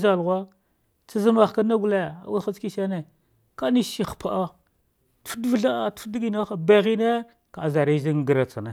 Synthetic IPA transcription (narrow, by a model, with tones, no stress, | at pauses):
za˨lɣʷa˦ | t͡sa˦zə˦ma˨xka˦na˦ɡu˦le˦a̰˨wi˦xa˦t͡ski˦ʃa˦ne˨ | ka˦ni˦ʃi˦xpa˨ʔa˦ | tu̥˦fdvə˦ɬa˦a˦˨tu̥˦fdi˦ɡi˦na˦xa˨be˦ɣi˦ne˦ | ka˨za˨ɾi˦zi˦ŋ˨ɡə˨ɾa˨t͡sa˨na˨